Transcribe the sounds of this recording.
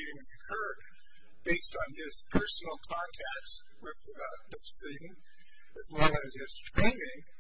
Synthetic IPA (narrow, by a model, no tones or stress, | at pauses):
iɾɪ̃ŋzɨkʰɜ˞d̚ | b̥eɪstn̩ɪz̥pʰɜ˞sn̩l̩ˠkʰɑ̃ntʰæk̚t | wɪð | ðɨsiɾ̃ⁿn̩ | ɨzwɛlˠɨz̥ɪz̥tʰɹ̥ẽɪ̃nɪ̃ŋ